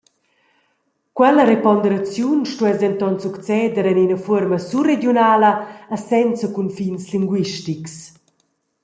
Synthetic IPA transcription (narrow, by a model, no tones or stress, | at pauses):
kwɛləɾepɔnd̪əɾat͡sjunʃtuɛzdɛnt̪ɔnsukt͡sɛːd̪əɾɛninəfuɾməsuredjunaːləːsɛnt͡səkunfinsliŋɡwiʃtiks